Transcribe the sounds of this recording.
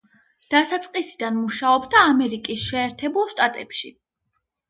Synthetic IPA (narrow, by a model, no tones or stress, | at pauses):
d̪̥asat̪sʼqʼisid̪anmuʃaɔbd̪aːmɛɾikʼisʃɛːɾt̪ʰɛbulˠʃt̪ʼat̪ʼɛpʃi